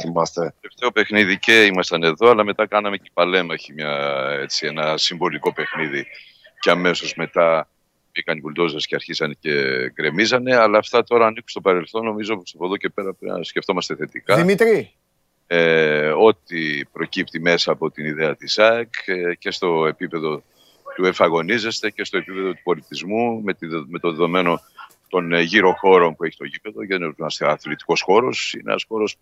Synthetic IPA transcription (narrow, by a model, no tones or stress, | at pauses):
θimɐst̪eeft̪eo̞pe̞xniðice̞imɐst̪ɐne̞ðo̞ɐlɐme̞t̪ɐkɐnɐme̞cipɐle̞mɐeçimɲɐe̞t͡sie̞nɐsiɱvo̞liko̞pe̞xniði | ceɐme̞so̞zme̞t̪ɐ | ikɐnipolit̪o̞sɐsceɐɾçisɐnece̞ɡɾe̞mizɐne̞ɐlɐːft̪ɐt̪o̞ɾɐːniku̥st̪opɐɾe̞lθo̞no̞mizopost̪ɐpo̞ðo̞ce̞pe̞ɾɐpsce̞ft̪o̞mɐst̪e̞θe̞t̪ikɐimit̪ɾi | eo̞t̪ipɾo̞cipt̪ime̞sɐːpo̞t̪iniðeɐt̪isɐkce̞st̪o̞e̞pipe̞ðo̞ | t̪ue̞ɱfɐɣo̞nize̞st̪e̞ce̞st̪o̞epipe̞ðo̞t̪u̥po̞lit̪izmumet̪me̞t̪oðeðo̞me̞no̞ | t̪o̞nʝiɾo̞xo̞ɾo̞npueçit̪o̞ʝipe̞ðo̞ʝɐnɐseɐθlit̪i̥ko̞sxo̞ɾo̞sḭnḛɐ̰sxo̞ɾo̞s